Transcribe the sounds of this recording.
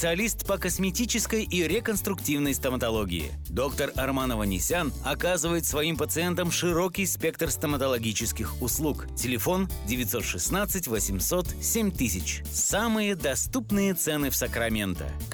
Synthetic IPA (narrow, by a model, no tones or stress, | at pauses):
ɪ̥sɨɐlʲist̪pəkəsmʲɪtʲit͡ɕɪskəjiɾʲɪkənst̪ɾʊktʲivnəjst̪əmət̪ɐlˠoɡʲɪ̰ɪ̰d̪o̞kt̪ərɐrmanəvənʲɪ̰sʲanɐkazɨvəjɪt̪svɐimpət̪sɨɛnt̪əmʂɨɾo̞kʲɪjspʲekt̪rst̪əmət̪əlˠɐɡʲit͡ɕɪskʲɪxʊslˠuktʲɪlʲɪfo̞ndʲɪvʲɪt̪ʲso̞t̪ʂɨsnat̪sɨtʲvəsʲɪmso̞t̪sʲemʲt̪ɨsʲɪt͡ɕ | samɨjəd̪ɐst̪upnɨjət̪sɛnɨfsəkɾɐmʲe̞nt̪ə̰